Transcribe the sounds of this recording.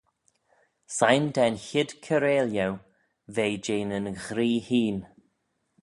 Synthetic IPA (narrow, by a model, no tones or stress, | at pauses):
sajnd̪ɛnçɪd̪̥kʰəɾeːljəw | veːd͡ʒeːnənɣɾiːhiːn